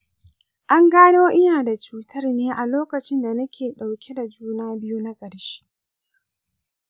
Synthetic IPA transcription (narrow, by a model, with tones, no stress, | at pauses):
ʔa˦ŋɡaː˦noː˦ʔɪ˦jaː˨da˨t͡ʃuː˦tʰɐ˦rneː˦ʔa˨loː˦kɐ˨t͡ʃɪ˦nda˨nɐ˦kʲʰeː˨ɗa˨wkʲe˦da˨d͡ʒuː˦naː˦bɪ˦ju˦na˦kʼɐ˨ɽʃi̥˦